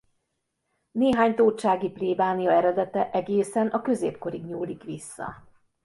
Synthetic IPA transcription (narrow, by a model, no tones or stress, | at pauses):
neːɦaːɲt̪oːt͡ʃaːɡipleːbaːnijɒɛɾɛd̪ɛt̪ɛʔɛɡeːsɛnʔɒkø̞zeːp̚ko̞ɾiɡɲuːlːikʋisːɒ̰